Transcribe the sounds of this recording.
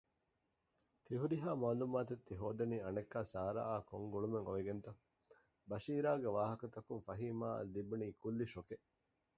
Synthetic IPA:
t̪iɦuɾiɦaːmaːlumaːt̪et̪ːiɦoːd̪ɐniːɐnekːaːsaːɾa̰ʔaːkoŋɡuɭumeŋoʋiɡent̪ɐ | bɐʃiːɾaːɡeʋaːɦɐkɐt̪ɐkuŋfɐɦiːmaːɐ̰lːibuniːkulːiʃoke

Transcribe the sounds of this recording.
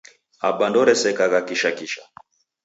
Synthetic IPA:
abandɔɾɛsɛkaɣakiʃakiʃa

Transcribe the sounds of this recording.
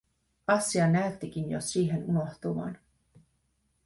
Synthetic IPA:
ɑsːiɑnæyt̪ːik̟injo̰siːɦe̞nuno̞ht̪uʋɑ̰ːn

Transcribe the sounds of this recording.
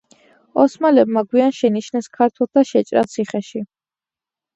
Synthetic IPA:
ɔsmalɛbmaɡwianʃɛniʃnɛskʰaɾt̪ʰwɛlˠsd̪ʰaʃɛt͡ʃʼɾa̰t̪sʰiχɛʃi

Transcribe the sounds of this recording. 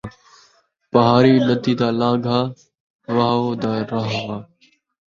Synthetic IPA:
pəɦaːɾiːɗəd̪iːd̪aːlãːɡʱaː | ʋaːoːd̪aːɾaɦʋaː

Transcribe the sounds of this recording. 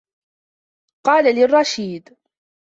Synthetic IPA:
qɑːlalɪrˤːɑʃiːd̪

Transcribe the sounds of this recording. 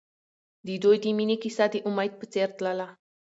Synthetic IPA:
d̪id̪ojd̪iminʲekisad̪iʔumajt̪̚pət͡sert̪lala

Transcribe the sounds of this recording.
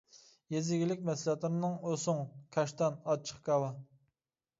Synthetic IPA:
jezɪɡʲilɪk̚ʲmɛslɑt̪lɨɾɪnɨŋosʊŋkʲʰɑʃt̪ɑnɑt͡ʃʰːə̥χkɑwɑ

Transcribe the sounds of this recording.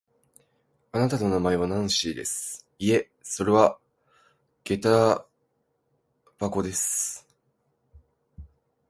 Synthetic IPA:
anat̪at̪o̞namae̞β̞anãɰ̃ɕiːd̪e̞̰sɨ̥ | ie̞ | so̞ɾe̞βa | ɡ̥e̞t̪a | b̥ako̞d̪e̞sɨ̥

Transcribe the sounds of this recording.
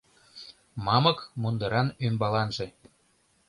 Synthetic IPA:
mɑmɤ̆kmund̪ɤɾɑnymbɑlɑnʒe̽

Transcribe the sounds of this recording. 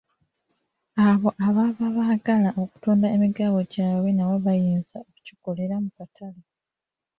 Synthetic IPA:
aβo̞ʔaβaβaβaːɡalaʔo̞ku̥tuːndaemiɡaːβo̞ɟaːβwe̞nawoβajiːnzaoku̥ciko̞le̞ɾamukatʰale

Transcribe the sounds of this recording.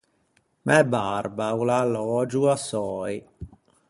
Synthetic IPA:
mʔɛbarbaulalɔːd͡ʒuasɔːj

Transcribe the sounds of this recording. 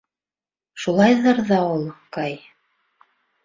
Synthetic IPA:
ʃulˠɑjðɤɾðɑolˠkɑj

